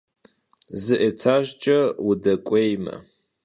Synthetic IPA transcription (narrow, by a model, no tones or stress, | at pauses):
zɨʔet͡sʰaːʒt͡ʃʼɐwudɐkʷʼejmɐ̰